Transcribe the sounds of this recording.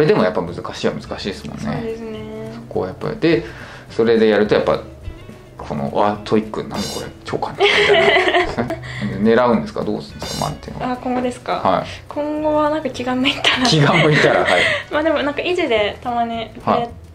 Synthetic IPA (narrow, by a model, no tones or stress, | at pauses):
sɾe̞d̪e̞mojapːamɯ̟zɨkaɕiːβamɯ̟z̥ɨkaɕiːd̪esɨmõ̞̰nːed̪esneso̥ko̞japːa̰ɾḭd̪e̞ | so̞ɾe̞d̪e̞jaɾɯ̟t̪o̞japːa̰ | kʰo̞no̰ʔat̪ʰoikːɯnãnd̪oko̞ɾḛt͡ɕoːkʰan | ne̞ɾaɯ̟̃nd̪esɨ̥ka̰d̪o̰ːsɨ̥̃nd̪esɨ̥kama̰t̪ːḛn̰akõ̞ŋɡo̞d̪e̞sɨ̥kahaḭkʰõ̞ŋɡo̞βanãŋkakʲiɡãmːoit̪ːanakʲiɡãmːoit̪aɾa̰aimaːd̪e̞mo̞nãŋkaiʑid̪e̞t̪amaɲ̟iha